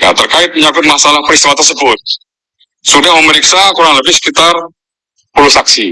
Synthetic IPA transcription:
ja̰t̪ərkaɪt̪̚məɲabʊt̪̚masalahpəɾist̪iwat̪ərsəbʊt̪̚ | sudahməməɾiksakuɾaŋləbɪhsə̥kit̪ar | puluhsaksi

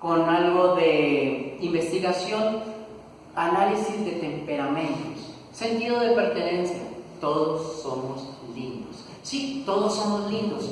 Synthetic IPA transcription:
ko̞nalɣo̞ðeimbe̞st̪iɣasjo̞n | analisizðe̞t̪e̞mpe̞ɾamẽnt̪os | se̞nt̪iðo̞ðe̞pe̞ɾt̪e̞nẽ̞nsja̰t̪o̞ðosːo̞moslind̪os | sit̪o̞ðosːo̞mozlind̪os

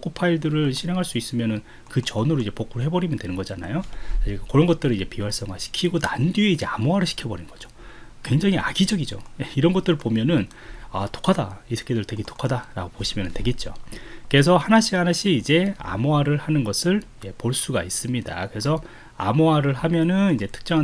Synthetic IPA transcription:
k͈ʰopʰaiɭdɯɾɯɭɕʰinɦe̞ŋɦaɭs͈uis͈ɯmjʌnɯn | kɯt͡ɕʌnuɾoid͡ʑe̞pok͈ʰuɾoɦe̞bʌɾimjʌndwe̞nɯnŋɡʌd͡ʑana̰joakakoɾʌnɡʌt̚t͈ɯɾɯid͡ʑe̞piwaɭs͈ʌŋɡaɕʰi̥kʰiɡonandieid͡ʑe̞amoɦaɾɯɭɕʰi̥kʰjʌbʌɾinnɡ̥ʌd͡ʑo̥ | kwe̞ŋd͡ʑaŋiaɡid͡ʑʌɡid͡ʑo̰jeiɾʌnɡʌt͈ɯɾɯɭpomjʌnɯn | ato̥kʰadaisʰɯ̥kʰedɯɭtwe̞ɡeto̥kʰadaɾa̰ɡopoɕʰimjʌnɯntwe̞ɡe̞t̚t͡ɕ͈o̰ke̞s̬ʰʌhanaɕʰianaɕʰiid͡ʑe̞a̰moaɾɯɭhanɯnɡʌsʰɯɭje̞poɭs͈uɡais͈ɯmɲida̰kɯɾe̞sʰʌ | a̰moaɾɯɭɦamjʌnɯnid͡ʑe̞tʰɯ̥k̚t͡ɕ͈ʌŋa

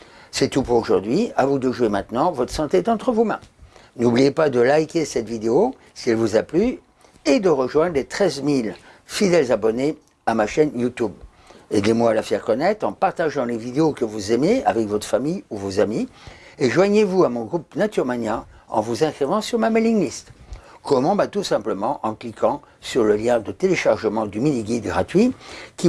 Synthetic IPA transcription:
sɛt̪upuʁoʒuʁd̪ɥiavud̪əʒwemɛ̃t̪nɑ̃vɔt̪χəsɑ̃t̪eɛt̪ɑ̃t̪χəvumɛ̃nublijepad̪əlajkʲesɛt̪vid̪eo | siɛlvuzaply | ed̪əʁəʒwɛ̃d̪ʁlet̪χɛzmil | fid̪ɛlzabɔne | amaʃɛnjut̪ub | ed̪emwaːlafɛʁkɔnɛt̪χɑ̃paʁt̪aʒɑ̃levid̪eokəvuzemea̰vɛkvɔt̪χə̥famijuvozamieʒwaɲevuamɔ̃ɡʁupnat̪yʁmana | ɑ̰̃vuzɛ̃skχivɑ̃syʁmameliŋlist̪kɔmɑ̃bat̪usɛ̃pləmɑ̃ʔɑ̃klikɑ̃ | syʁləljɛ̃d̪ət̪eleʃaʁʒəmɑ̃d̪yminiɡʲid̪ɡʁat̪ɥikʲi

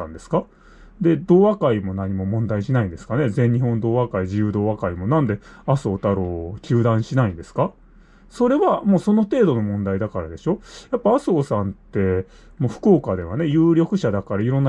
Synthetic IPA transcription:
ãnd̪e̞sɨ̥ka | d̪e̞d̪o̞ːβakaimo̞naɲ̟imo̞mõ̞nd̪aiɕinaĩnd̪e̞sɨ̥kane̞zẽ̞ɲ̟ːiɦõ̞nd̪o̞ːβakaiʑijɯːd̪o̞ːβakaimo̞nãnd̪e̞aso̞ːt̪aɾo̞ːkʲɨːd̪ãɰ̃ɕinaĩnd̪e̞sɨ̥ka | so̞ɾe̞βamo̞ːso̞no̞t̪e̞ːd̪o̞no̞mõ̞nd̪aid̪akaɾad̪e̞ɕo̞japːaasoːsãnt̪e̞ | moːɸɯ̟̥ko̞ːkad̪e̞βane̞jɯːɾʲjo̞kɯ̟ɕad̪akaɾaiɾõ̞nːa

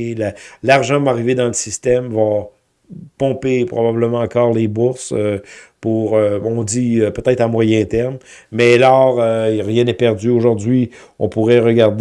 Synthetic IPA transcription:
lalaʁʒɑ̃maaʁived̪ɑ̃ləsist̪ɛmva | pɔ̃pepʁɔbabləmɑ̃ɑ̃kɔːʁlebuʁsøpuʁøɔ̃d͡z̪iøpøt̪ɛt̪χɑ̃mwajɛ̃t̪ɛʁmːɛlɔːʁøʁjɛ̃nɛpɛʁd̪d͡zyoʒuʁd̪ɥi | ɔ̰̃puʁɛʁəɡaʁd̪

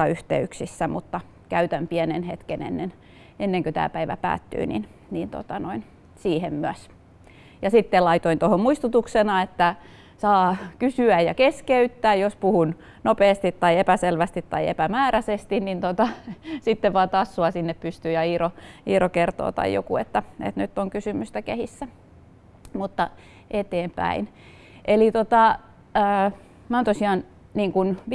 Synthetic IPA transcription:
ɑyht̪ḛyksisːæmut̪ːɑ | kæyt̪æmpiɛnenhet̪kenḛnːen | enːeŋkøt̪æ̰ːpæiʋæ̰pæ̰ːt̪ːy̰ːnḭn | nint̪o̰t̪ɑnoin | siːhemmyæs | jɑsit̪ːelɑit̪oint̪ohommuist̪ut̪uksenɑet̪ːæ | sɑːkysyæjjɑkeskeyt̪ːæːjjospuhun | nopeːst̪it̪ːɑiepæselʋæst̪it̪tɑ̰iḛpæmæːræsest̪innint̪ot̪ɑsit̪ːeʋʋɑːˑt̪ɑsːuɑsinːeppyst̪yːjɑiːroiːrokert̪o̰ːt̪ɑ̰jjo̰kṵḛt̪ːæḛt̪nyt̪ːoŋkysymyst̪ækehisːæ | mut̪ːɑ | ʔet̪eːmpæ̰in | ʔelit̪ot̪ɑ | ə | mæoːnt̪osiɑn | niːŋkunʋ

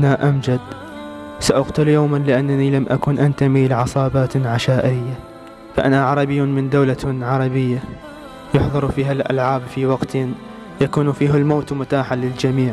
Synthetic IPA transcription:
ʔanaʔamd͡ʒad̪ | saʔaqt̪ʊljoːmanlɪʔanːanilamʔa̰kuːnʔant̪amilɪʕɑsˤɑːbaːt̪ʕaʃaːʔɪɾɪjːa | faʔanaʕɑɾˤɑbɪjːunmɪnd̪awlaʕɑɾˤɑbɪjːa | jʊħðˤɨɾfiːɦalʔa̰lʕaːbfiwɑɡt̪ | jakuːnfiːɦɪlmoːt̪mʊt̪aːħalɪld͡ʒamiːʕ

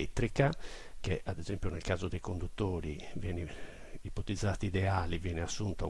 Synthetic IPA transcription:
et̪ːɾikak̟eʔad̪ɛzempjunɛlkaːzod̪ejkond̪ut̪ːoːɾivjɛːni | ipot̪id̪zːaːt̪id̪ɛaːlivjɛːnɛasːunt̪a

